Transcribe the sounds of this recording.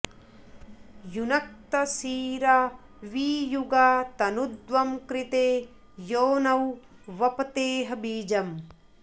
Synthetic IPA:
junɐk̚t̪ɐsiːɾa | ʋiːjuɡaːt̪ɐnud̪ʋɐmkɾit̪eː | joːnɐw | ʋɐpɐt̪eːɦɐbiːd͡ʒɐm

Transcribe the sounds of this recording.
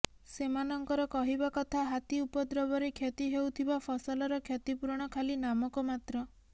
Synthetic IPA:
semanɔŋkɔɾɔkɔɦibakɔt̪ʰaɦat̪iupɔd̪ɾɔbɔɾekʰjet̪iɦewt̪ʰibapʰɔsɔlɔɾɔkʰjet̪ipuɾɔɽ̃ɔkʰalinamɔkɔmat̪ɾɔ

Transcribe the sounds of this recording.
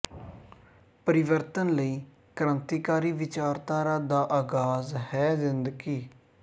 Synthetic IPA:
pəɾɪʋəɾt̪ənləiː | kəɾənt̪iːkaːɾiːʋɪt͡ʃaːɾt̪aːɾaːd̪aːʔaːɡaːzhɛːzɪnd̪ɡiː

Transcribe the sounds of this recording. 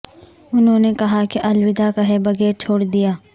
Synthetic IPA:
ʊnɦõːnekɐɦakiʔɐlwɪd̪akɐɦɛbɐɡɛːɾt͡ʃʰoːɽd̪ijaː

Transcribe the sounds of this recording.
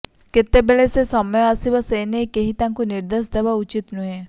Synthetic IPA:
kɪt̪ːebelesesɔmjeasibaseːnekeɦit̪ãŋkunɪɾd̪esd̪ɐʋaʊt͡ʃit̪nuɦe

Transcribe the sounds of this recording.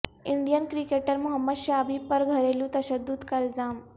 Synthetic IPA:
iɳɖijənkɾikeʈəɾmuɦəmːəd̪ɕabʱipəɾɡʱəɾelũt̪əɕəd̪ːut̪kəld͡zam

